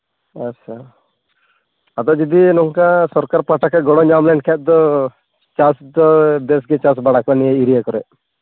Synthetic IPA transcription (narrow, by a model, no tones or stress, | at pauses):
asaɾ | at̪ɔd͡ʒɔd̪inɔŋkasɔɾkaɾpaʈakaɡɔɽɔɲamlɛɳɖkʰɛt̪̚d̪ɔ | t͡ʃasd̪ɔd̪ɛs̬ɡɛt͡ʃas̬baɽakɔniɛiɾijakɔɾɛ